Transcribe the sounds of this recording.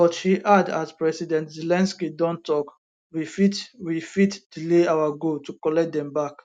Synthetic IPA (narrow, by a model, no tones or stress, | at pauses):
ɔtʃiʔada̰tpɹɛsidɛ̃ntzilɛ̃nskidɔ̃ntɔk | wifitwifitd̥ileawaɡotukɔlɛk̚d̪ɛ̃mbak